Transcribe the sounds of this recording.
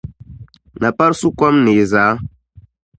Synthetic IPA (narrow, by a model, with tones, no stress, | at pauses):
na˨pa˦ɾsu˦kwa˦mnɪ˨zaː˨˦